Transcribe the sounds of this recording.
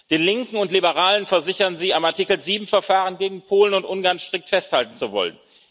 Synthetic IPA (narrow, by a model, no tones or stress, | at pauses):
d̥eːnlɪŋkŋ̩ʊntlibəʁaːlənfɛɐzɪçɐnziːamaɐtikl̩ziːbm̩fɛɐfaːʁənɡeːɡŋ̩pʰoːlənʊntʔʊnɡaɐnʃtʁ̥ɪk̚tfɛsthaltn̩t͡suvɔ̰lə̰n